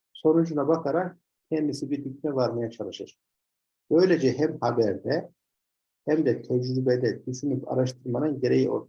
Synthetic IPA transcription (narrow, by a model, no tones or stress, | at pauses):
so̞nud͡ʒunabakʰaɾak̚ | cʰɛnd̪isibiɾd̪ycʲmɛvaɾmejat͡ʃʰalˠɯʃɯɾ̥ | b̥ø̞jlʲed͡ʒɛɦɛmhabæɾd̪ɛ | hɛmd̪ɛt̪ʰɛd͡ʒɾɾybɛd̪ɛd̪isinipa̰ɾaʃt̪ʰɯɾmanɯnɟeɾe̞jiʔo̞̰lˠ